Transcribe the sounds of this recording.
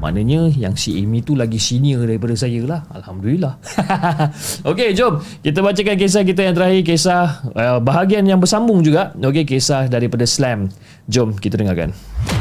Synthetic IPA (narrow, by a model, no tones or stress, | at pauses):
ma̰nə̃ɲə̃jaŋsiɛ̰mit̪ulaɡisiniərdaɾipadasajəlaha̰lhamdulilah | oked͡ʒomkit̪abat͡ʃakank̬es̬ahk̬it̪̬ajaŋt̪əɾahik̬esahəbaɦaɡianjaŋbərsambʊŋd͡ʒuɡaʔok̬ekesahdaɾipadaslɛm | d͡ʒomkit̪adəŋarka̰n